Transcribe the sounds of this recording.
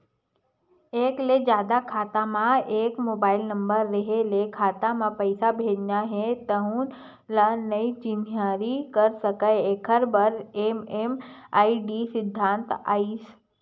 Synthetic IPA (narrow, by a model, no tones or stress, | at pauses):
eːkled͡ʒjaːd̪akʰaːt̪amãeːkmoːbaːɪlnɐ̃mbəɾːɐɦelekʰaːt̪amãpəɪsabʱeːd͡ʒnaɦet̪əɦũn | lanɐit͡ʃimjaːɾikəɾsəkaeeːkʰəɾbəɾeːmeːmaːiɖisɪd̪ʱːãːnt̪a̰ːiːs